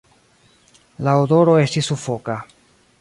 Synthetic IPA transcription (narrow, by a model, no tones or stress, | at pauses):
laodo̞ɾo̞e̞stisːufo̞ka